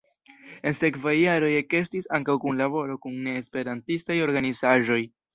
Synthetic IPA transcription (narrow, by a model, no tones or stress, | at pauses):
e̞nse̞kvajːaɾo̞jeke̞stisaŋkawkunlabo̞ɾo̞kunːe̞ːspe̞ɾantistajo̞ɾɡanizaʒo̞j